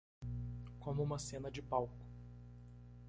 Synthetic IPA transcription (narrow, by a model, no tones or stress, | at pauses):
kõmʊũmɐsẽnɐd͡ʒɪpawkʊ̥